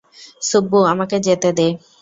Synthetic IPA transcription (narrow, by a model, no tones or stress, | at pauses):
subːoamaked͡ʑet̪ed̪e